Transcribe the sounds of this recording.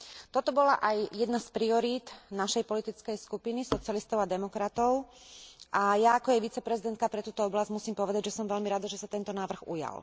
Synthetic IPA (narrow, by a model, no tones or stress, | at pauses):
t̪ɔt̪ɔbɔlaʔajjɛd̪naspɾiɔɾiːt̪naʃɛjpɔlit̪it͡skɛjskupinisɔt͡sɪalist̪ɔʊad̪ɛmɔkɾat̪ɔʊ | ʔajaːkɔjɛʋit͡sɛpɾɛzid̪ɛnt̪̚kapɾɛt̪uːt̪ɔɔblazɟmusiːmpɔʋɛd̪aɟʒɛsɔmʋɛlmiɾad̪aʒɛsat̪ɛnt̪ɔnaːʋr̩ɣṵja̰l